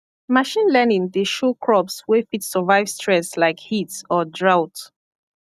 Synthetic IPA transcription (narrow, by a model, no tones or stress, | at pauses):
maʃĩnlɛnĩŋdeʃokʰɹɔpswɛfitsɔvaɪv̥stʰɹɛslaɪkhitɔdɹaʊt